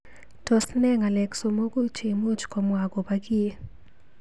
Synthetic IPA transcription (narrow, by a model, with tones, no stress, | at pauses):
to˨snɛ˦ŋa˨lɛ˨kso˨mo˦ku˦t͡ʃe˨mo˦t͡ʃkɔ˨mwa˨ɡɔ˨ba˦ɡi˦e˦